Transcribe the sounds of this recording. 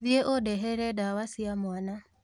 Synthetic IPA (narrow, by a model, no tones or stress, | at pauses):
ðjeʔodɛɦɛɾɛdawasiamwana